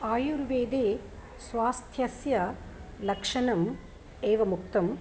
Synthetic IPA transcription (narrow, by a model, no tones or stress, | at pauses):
aːjuɾʋeːd̪eː | sʋaːst̪ʰjɐsjɐlɐkʂɐnɐm | eːʋɐmuk̚t̪ɐm